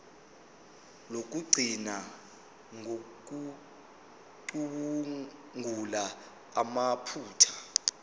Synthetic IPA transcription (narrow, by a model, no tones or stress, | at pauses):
lok̬ʼuɡ͡ǀʱina | ŋok̬u | ǃuɓuŋʱula | amapʰuːtʰḁ